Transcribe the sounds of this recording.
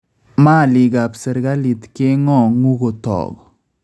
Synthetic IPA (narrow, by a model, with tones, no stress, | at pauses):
ma˦˨lɪ˨ɡa˨psɛ˨ɾɡa˦li˨t̪kɪ˦ŋɔ˦ŋu˦ɡo˨t̪ɔ̰˨ɡɔ